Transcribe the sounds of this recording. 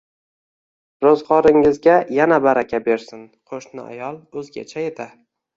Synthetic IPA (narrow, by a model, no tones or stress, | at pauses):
ɾozʁɒɾɪŋɪzɡʲajanabaɾakʲʰabe̞ɾsɪnqʰoʃnɪ̰a̰jɒlˠɵzɡʲa̰t͡ʃʰaet̪ʰa